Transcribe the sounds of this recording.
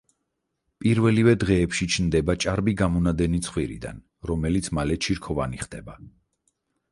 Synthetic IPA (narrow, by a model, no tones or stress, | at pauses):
pʼiɾvɛlivɛd̪ʁɛːpʃit͡ʃʰnd̪ɛbat͡ʃʼaɾbiɡamɔnad̪ɛnit̪sʰχwiɾḭd̪a̰n | ɾɔmɛlit̪sʰmalɛt͡ʃʰiɾkʰɔva̰niχd̪ɛba